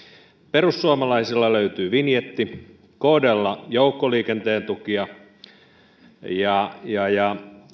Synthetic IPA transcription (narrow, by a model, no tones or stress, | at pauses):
perusːuɑmɑlɑisilːɑløyt̪yːʋinjet̪ːi | koːdelːɑjoukːoliːkent̪eːnt̪ukiɑ | jɑjɑjɑ